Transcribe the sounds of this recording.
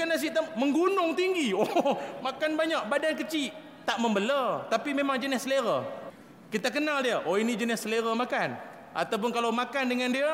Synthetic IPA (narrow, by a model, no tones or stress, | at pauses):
kanas̬iʔt̪aməŋɡunʊŋt̪iŋɡiomakanbaɲak̚badankət͡ʃiʔ | t̪aʔməmbələt̪apimemaŋd͡ʒənɪsːəleɾə | kit̪akənaldiəʔoinid͡ʒənɪsəleɾəmakan | ʔa̰t̪awp̬ʊnkalawmakandəŋandia